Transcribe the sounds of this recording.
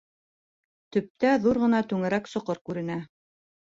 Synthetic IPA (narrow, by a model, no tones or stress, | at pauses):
t̪ɵ̆p̚t̪æðuɾʁɤ̆nɑt̪ʉŋɘ̆ɾæksŏqɤɾkʉɾɘ̆næ